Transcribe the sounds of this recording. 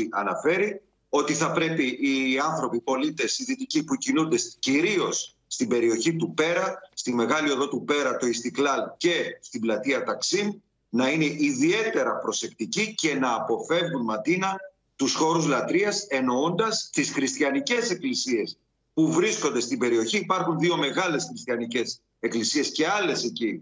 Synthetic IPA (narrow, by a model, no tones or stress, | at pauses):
ʔɐnɐfe̞ɾi | o̞t̪iθɐpɾe̞piʔːɐnθɾo̞pipo̞lit̪e̞siðit̪icipucinund̪e̞ciɾio̞sː | t̪ibe̞ɾio̞çit̪upe̞ɾɐst̪ime̞ɣɐlio̞ðo̞t̪upe̞ɾɐt̪o̞ist̪iklɐlce̞st̪iblɐt̪iɐt̪ɐksim | nɐine̞ʔiðie̞t̪e̞ɾɐpɾo̞se̞kt̪icice̞nɐːpo̞fe̞vɣunmɐt̪inɐ | t̪usxo̞ɾuzlɐt̪ɾiɐse̞no̞o̞nd̪ɐst̪isxɾist̪çɐnice̞se̞klisie̞s | puvɾisko̞nd̪e̞st̪ibe̞ɾio̞çiːpɐɾxunðio̞me̞ɣɐle̞sxɾist̪çɐnice̞s | e̞klisie̞sce̞ɐle̞se̞ci